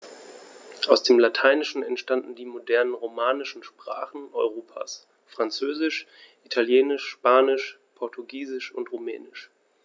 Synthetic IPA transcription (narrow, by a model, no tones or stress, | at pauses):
ʔaʊsd̥eːmlatʰaɪnɪʃn̩ɛntʃtandn̩diːmodɛɐnənʁomaːnɪʃn̩ʃpʁ̥a̰ːχn̩ʔɔʏʁoːpʰa̰ːs | fʁ̥ant͡søːzɪʃ | ʔitʰaljeːnɪʃpaːnɪʃ | pʰɔɐtʰuɡiːzɪʃʊntʁumɛ̰ːnɪʃ